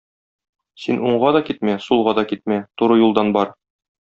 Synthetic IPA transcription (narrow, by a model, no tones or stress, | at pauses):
sinuɴʁɑd̪ɒkit̪mæsulˠʁɑd̪ɒkit̪̚mæt̪uɾɤjulˠd̪ɑnbɒɾ